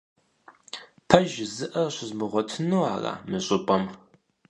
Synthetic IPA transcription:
pʰɐʒɪzɨʔɐɕɪzmɨʁʷɔtʰɨnɨwaːra̰ːmɨɕʼɪpʼɐm

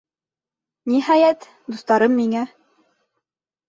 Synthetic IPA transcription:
niɦɑjæt̪ | d̪ust̪ɑɾɤmːiŋæ

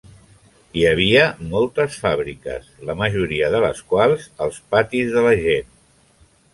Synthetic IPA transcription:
iəβ̞iəmɔlˠt̪əsfaβɾikə̰sləməʒuɾiəðələ̰skwalˠzəlˠspat̪izðələʒen

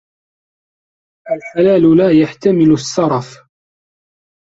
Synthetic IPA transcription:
ʔalħalaːlʊlaːjaħt̪amɪlʊsːɑɾˤɑf

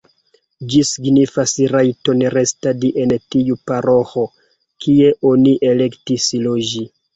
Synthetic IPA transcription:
d͡ʒisiɡnifasɾajto̞nɾe̞stadiʔe̞ntiupaɾo̞xo | kʰie̞ʔo̞niʔe̞le̞ktislod͡ʒi

